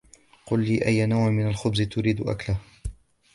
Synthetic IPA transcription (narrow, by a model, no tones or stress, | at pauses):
qʊlːiːʔajːanawʕmɪnalxʊbzɪt̪ʊɾiːd̪ʊʔa̰klah